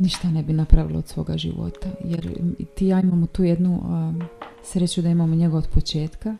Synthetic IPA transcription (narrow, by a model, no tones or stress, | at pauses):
niʃt̪ane̞binapɾaʋḭlood̪sʋo̞ːɡa̰ʒḭʋo̰t̪ajḛɾḭt̪ijaːimamot̪uːjed̪nu | sɾet͡ɕud̪aimaːmoɲe̞ɡooːd̪po̞t͡ʃe̞ːt̪ka